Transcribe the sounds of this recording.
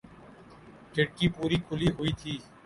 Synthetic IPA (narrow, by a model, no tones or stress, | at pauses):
ʈʰɪɽkiːpuːɾiːkʰʊliːɦʊiːt̪ʰiː